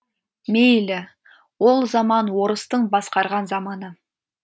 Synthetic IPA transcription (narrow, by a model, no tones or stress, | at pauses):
mejlɪ | wo̞lˠzɑmɑnwo̞ɾəst̪əɴbɑsqɑɾʁɑnzɑmɑnə